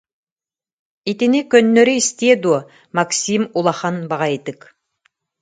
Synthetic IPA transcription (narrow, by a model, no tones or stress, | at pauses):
et̪enekʲɵnːøɾɪist̪ed̪u | maksʲimulˠɑχɑnbɑʁɑjet̪ɪk